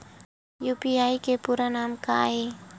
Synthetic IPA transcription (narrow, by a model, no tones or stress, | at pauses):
jupiaikepuɾanamka̰e